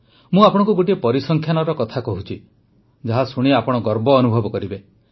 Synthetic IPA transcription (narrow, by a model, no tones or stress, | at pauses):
mũapɔɽ̃ɔ̃ŋkuɡoʈiepɔɾisɔŋkʰjanɔɾɔkɔt̪ʰakɔɦut͡ʃʰi | d͡ʒaɦasuɽ̃iapɔɽ̃ɔɡɔɾbɔːnubʱɔbɔkɔɾibe